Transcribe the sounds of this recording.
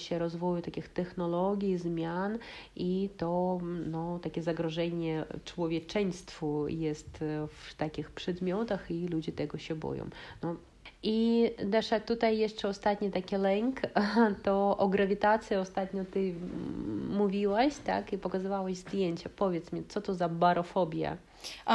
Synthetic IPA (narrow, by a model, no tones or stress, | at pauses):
ɕɛɾɔzvɔjut̪akʲixt̪ɛxnɔlɔɡʲjizmʲjanit̪ɔnɔt̪akʲɛzaɡɾɔʐɛɲɛt͡ʂwɔvʲjɛt͡ʂɛɲst̪fujɛst̪ft̪akʲixpʂɛd̪mʲjɔt̪axilud͡ʑɛt̪ɛɡɔɕɛbɔ̰jɔ̰̃wnɔ | id̪ɛʂat̪ut̪ajːɛʂt͡ʂɛɔst̪at̪ɲʲɛt̪akʲɛlɛŋkt̪ɔʔɔɡɾavʲit̪at̪sʲjɛɔst̪at̪ɲɔt̪ɘ | mːuvʲiwaɕt̪a̰kipɔkazɨvawaʑzd̪ʲjeɲt͡ɕapɔvʲjɛt̪smʲit̪sɔt̪ɔzabaɾɔfɔbʲja̰